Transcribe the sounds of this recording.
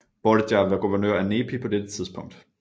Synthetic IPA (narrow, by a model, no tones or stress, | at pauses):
b̥ɒləd̥jɑʋæɐɡ̥uʋɐnø̰ɐæne̝ːpʰipʰɒ̽d̥ed̥ət͡sʰiðˠsb̥ʰɔ̽ŋ̰d̥